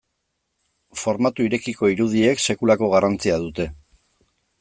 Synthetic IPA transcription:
fo̞ɾmat̪uiɾe̞kiko̞iɾuð̞ie̞kse̞kulako̞ɣ̞arant͡siað̞ut̪e̞

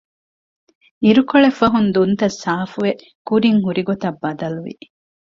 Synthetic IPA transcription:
iɾukoɭefɐɦund̪unt̪ɐsːaːfuʋe | kuɾiŋɦuɾiɡot̪ɐbːɐd̪ɐluʋḭ

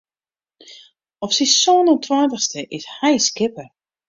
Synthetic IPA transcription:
ɔfsissoːnəntʰwaːtəxstəʔɪshɛjskɪpə

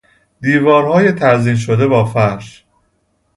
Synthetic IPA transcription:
d̪iːvɒːɾhɒːjet̪ʰæɾzinʃ̬od̪e̞bɒːfæʃ

